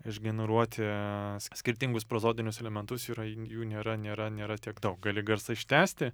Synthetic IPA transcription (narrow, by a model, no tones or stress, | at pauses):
ɪʒʲɡʲɛnʲɛɾuɔt̪ʲɪsʲsʲkʲɪɾʲt̪ʲɪŋɡʊspɾɐzoːd̪ʲɪnʲʊsɛlʲɛmʲɛnt̪ʊsiːɾɐjuːnʲeːɾɐnʲeːɾɐnʲeːɾɐt̪ʲiɛɡd̪ɐʊk̚ɡɑːlʲɪɡɐɾsɐɪʃʲt̪ʲæːsʲt̪ʲɪ